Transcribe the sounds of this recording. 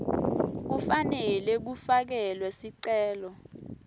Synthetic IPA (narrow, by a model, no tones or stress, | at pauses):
k̬ufanɛlɛk̬ufak̬ɛlwɛsiǀɛːlɔ